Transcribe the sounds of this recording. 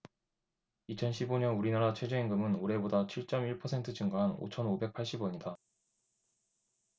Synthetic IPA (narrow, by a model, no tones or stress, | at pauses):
it͡ɕʰʌnɕʰiboɲʌnuɾinaɾat͡ɕʰwe̞d͡ʑeinɡɯmɯnoɾe̞bodat͡ɕʰiɭt͡ɕ͈ʌmiɭpʰʌsʰe̞ntʰɯd͡ʑʰɯŋɡaɦano̰t͡ɕʰʌnobe̞k̚pʰaɭɕ͈ibʌɲida